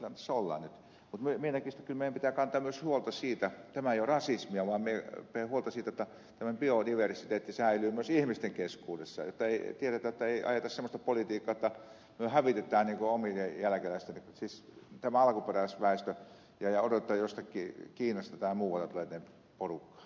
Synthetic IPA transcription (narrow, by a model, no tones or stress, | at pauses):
kylːænt̪æsːolːɑ̰ːnnyt̪ | mut̪myømienækist̪æ̥kylmeijæmpit̪ækɑnt̪ɑːmyøshuolt̪ɑsiːt̪æt̪æmæejorɑsismiɑʋɑːmmiepehuolt̪ɑsiːt̪æjot̪ːɑ | t̪æmæmpiodiʋersit̪eːt̪ːisæˑilyːmyøsihmist̪eŋkeskuːdesːɑ̰jo̰t̪ːɑeit̪ieɾet̪æjot̪ːɑeiʔɑ̰jet̪ɑssemːˑost̪ɑpolit̪iːkːɑːot̪ːɑ | myøhæʋit̪et̪ˑæːnniːŋkoomiejælækelæˑist̪eniksist̪æmæɑlɑkuperæˑisʋæˑist̪ø | jɑjɑodot̪t̪ːɑjjost̪ɑkːˑiːkiːnːɑst̪ɑt̪æmːæmuːʋˑɑlːɑt̪uleˑt̪ne | porukːɑ̥ː